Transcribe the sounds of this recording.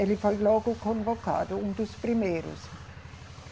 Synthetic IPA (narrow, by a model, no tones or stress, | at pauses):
elifojlɔːɡukonvoka̰ːd̪uund̪uspɾimeːɾṵs